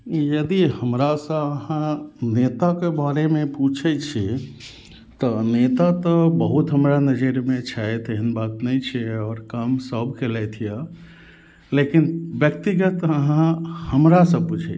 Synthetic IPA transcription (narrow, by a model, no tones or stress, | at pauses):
jəd̪ihəmɾasə̃əɦãnet̪akebaɾemeput͡ʃʰɛt͡ʃʰi | t̪ɔnet̪at̪ɔbəɦut̪ɦəmɾanəd͡ʒəɾmet͡ʃʰajt̪əɦənbat̪nɛt͡ʃʰɛɔːɾkamsəbʱkelɛt̪ʰije | lekinbjək̚t̪iɡət̪əɦããhəmɾasə̃put͡ʃʰɛ̰